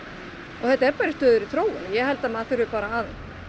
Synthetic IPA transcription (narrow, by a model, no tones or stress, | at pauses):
ɔɣθɛht̪aɛɾpaːɾɪst̪œːðʏɾɪθɾoːwɪnjɛhɛlt̪amaːθɪɾvɪpaːɾaaːðan